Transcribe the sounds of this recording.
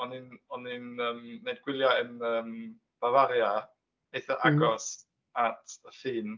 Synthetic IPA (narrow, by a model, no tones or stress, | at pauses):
ɔnɪnɔnɪnəːmːejdɡ̥wɪlˠjaənəːm | b̥avaɾja | ejθaʔaɡɔs | atʰəfiːn